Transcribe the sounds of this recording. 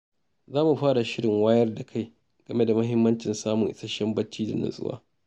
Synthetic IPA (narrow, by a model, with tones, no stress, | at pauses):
zaː˦mu˨ɸaː˦ɽa˨ʃɪ˦ɽɪ˨ŋwaː˦jɐ˦rda˨kʰa˦˨j | ɡ̥ɐ˨me˦da˨mɐ˦ɦɪ˦mːɐ˦nt͡ʃɪ˨nsaː˦mʊ˨ŋʔɪ̰˦sɐ˦ʃɐ˦mbɐ˦t͡ʃːiː˦da̰˨nʊ̰˨sʼʊ̰˦wa̰ː˦